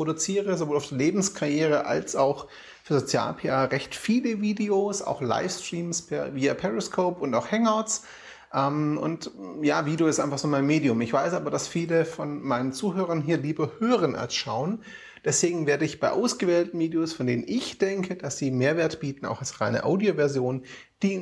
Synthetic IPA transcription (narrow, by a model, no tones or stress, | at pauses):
ʁ̥oɾut͡siːʁəzovoːlaʊd̥iːɐleːbm̩skʰajeːʁəʔa̰lsaʊx | fyːɐzot͡sja̰ːlpʰeːʔaːʁɛçtfiːləviːdeoːsa̰ʊxla̰ɪfstʁ̥iːmspʰɛɐviːapʰɛʁiskʰoːpʊntaʊxhɛŋaʊts | ʔɛmʔʊ̰ntjaːviːdoːɪstʔaɪnfaχz̥oːmaɪnmeːdiʊmɪçv̥aɪsʔaːbɐdasfiːləfɔnmaɪnənt͡suːɦøːʁɐnɦiːɐliːbɐhøːʁənʔa̰lsʃaʊən | d̥ɛsv̥eːɡŋ̩veːɐɾəɪçb̥aɪʔa̰ʊsɡ̥əvɛːltn̩viːdeoːsfɔndeːnənʔɪçd̥ɛŋkʰəd̥asz̥iːmeːɐveːɐtb̥iːtn̩a̰ʊxalsʁaɪnə̰ʔaʊdiovɛɐzjoːnn | d̥iː